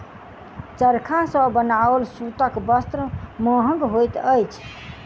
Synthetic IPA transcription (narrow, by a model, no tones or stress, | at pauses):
t͡ʃəɾkʰãsəbənaəlsut̪əkbəst̪ɾəmə̃ɦə̃ŋɡɦojt̪əjt͡ʃʰ